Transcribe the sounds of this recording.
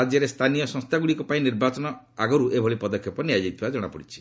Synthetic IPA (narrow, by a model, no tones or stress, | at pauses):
ad͡ʒjɔɾest̪ʰanijɔsɔ̃ŋst̪ʰaɡuɽikɔpaĩniɾbat͡ʃɔnɔ | aɡɔɾuʔebʱɔɭipɔd̪ɔkʰjɔpɔniad͡ʒajt̪ʰibad͡ʒɔɽ̃a̰pɔɽit͡ʃʰi̥